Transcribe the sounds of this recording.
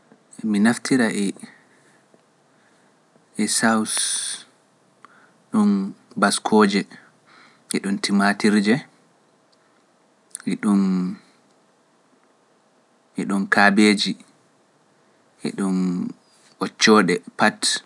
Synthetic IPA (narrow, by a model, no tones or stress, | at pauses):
minaftʰiɾaʔɛ | ɛsaws | ɗɔnbaskʰɔːd͡ʒɛ | ʔɛɗɔntimatiɾd͡ʒɛ | iɗun | ɛɗɔnkabeːd͡ʒi | ʔɛ̰ɗɔn | ʔɔt͡ʃːɔɗɛpat